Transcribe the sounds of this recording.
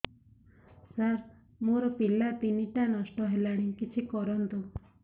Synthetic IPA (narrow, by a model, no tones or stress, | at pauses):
saɾ | moɾɔpilap̪iniʈanɔsʈɔɦelaɽ̃ikit͡ʃʰikɔɾɔnt̪u